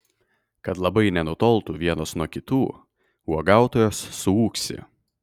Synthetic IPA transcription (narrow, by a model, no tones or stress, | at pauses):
kɐt̪lˠɐbɐɪnʲɛnʊt̪ɔːlˠˑt̪uʋʲiɛnoːsnuɔkʲɪt̪uː | uɔɡɑˑʊt̪oːjoːsːʊuːksʲɪ̰